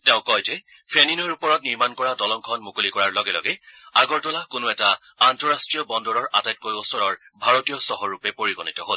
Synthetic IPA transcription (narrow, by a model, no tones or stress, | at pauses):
tɛʊ̃kɔjzɛ | pʰeninɔɹupɔɹɔtniɹmankɔɹadɔlɔŋkʰɔnmukolikɔɹaɹlɔɡɛlɔ̰ɡɛaɡɔɹtɔlakʊnoɛtaantɔɹastɹijɔbɔndɔɹɔɹʔatajt̚kojosɔɹɔɹ | bʱaɹotijɔsɔɦɔɹupɛpoɹiɡonitɔɦol